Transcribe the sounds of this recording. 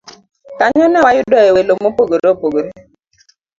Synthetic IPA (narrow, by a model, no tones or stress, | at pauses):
kaɲɔnawajʊdɔɛwelomopoɡoɾepoɡoɾe